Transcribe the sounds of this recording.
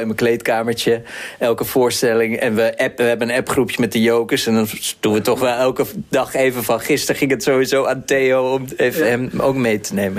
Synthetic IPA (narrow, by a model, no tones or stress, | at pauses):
ɪnməklejtkaːməɹt͡ʃəʔɛlˠkəv̥ʊːɹstɛlɪŋɛ̰nʋəʔɛpʋəɦɛbənənɛpχrupjəmɛt̚dəjowkəsɛndɑndunʋətɔχʋɛlˠɛlˠkədɑχejvənfɑnχɪstəɹχɪŋətsowizowaːntejoɔmejvəɛmo̰wkmejtənejmən